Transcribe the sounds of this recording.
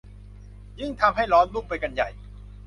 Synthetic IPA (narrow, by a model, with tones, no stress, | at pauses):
jɯ˥˩ŋt̪ʰa˧mɦa˥˩jɾɔː˦˥nlu˥˩k̚pa˧jka˧nja˨˩j